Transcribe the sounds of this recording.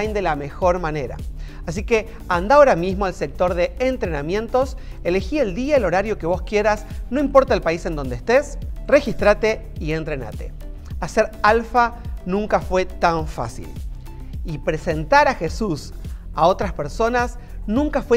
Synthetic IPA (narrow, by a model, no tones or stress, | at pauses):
jnd̪e̞lame̞xo̞ɾmane̞ɾa̰ | asike̞ | and̪aoɾamizmoalse̞k̚t̪o̞ɾðe̞ːnt̪ɾe̞namjẽ̞nt̪o̞s | elexie̞ld̪iaelo̞ɾaɾjo̞ke̞β̞o̞skje̞ɾasno̞impo̞ɾt̪aelpaise̞nd̪o̞nd̪est̪esre̞xist̪ɾat̪e̞ie̞nt̪ɾe̞na̰t̪e̞̰ | ase̞ɾalfanũŋkafwe̞t̪aɱfa̰sḭl | ipɾe̞se̞nt̪aɾaxe̞susaot̪ɾaspe̞ɾso̞nas | nũŋkafwe